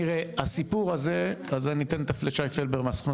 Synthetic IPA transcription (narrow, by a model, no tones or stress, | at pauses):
iʁeasipuʁazeazanit̪enet̪afleʃajfelbeʁmeasu̥χno